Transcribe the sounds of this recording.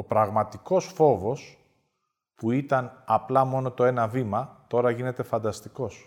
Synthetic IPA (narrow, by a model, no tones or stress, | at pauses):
o̞pɾɐɣmɐt̪iko̞sfo̞vo̞s | puit̪ɐnɐplɐmo̞no̞t̪o̞e̞nɐvimɐt̪o̞ɾɐʝine̞t̪e̞fɐnd̪ɐst̪iko̞s